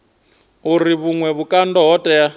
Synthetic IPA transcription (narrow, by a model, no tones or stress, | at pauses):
uriβuŋwɛβukʼandɔɦɔtʼɛja